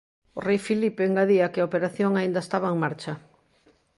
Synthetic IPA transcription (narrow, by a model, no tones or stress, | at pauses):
ʊrejfilipeeŋɡaðiɐkɪaopeɾaθjoŋaind̪ɐest̪aβaeŋmaɾt͡ʃɐ